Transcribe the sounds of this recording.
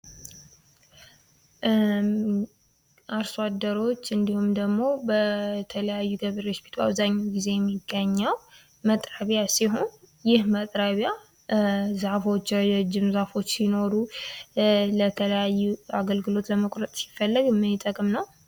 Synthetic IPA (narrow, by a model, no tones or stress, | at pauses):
ʔaɾsad̪əɾo̞t͡ʃːɨnd̪ihumd̪əɡmo̞bət̪ʰələjajːuɡəβəɾespʰi̥t̪ʰuaβzaɲːawɡize̞jɛmːiɡːəɲːəw | mət̪ʼɾəβjasiɦo̞n | jɪhmət̪ʼɾəβja | zafo̞t͡ʃːɛd͡ʒɪmzafo̞t͡ʃːsino̞ɾu | lət̪ʰələjajːuaɡəlɡɨlo̞t̪ləməkʼɾət̪ʼsi̥fːəlːəɡmːɨjt̪ʼəkʼmnəw